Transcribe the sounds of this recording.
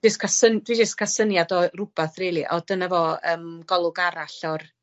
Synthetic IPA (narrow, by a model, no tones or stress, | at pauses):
əskʰasənd̥wid͡ʒəskʰasənjadɔrʊb̥aθriːlˠiʔɔdənavɔəːmɡɔlˠʊɡaɾaɬɔr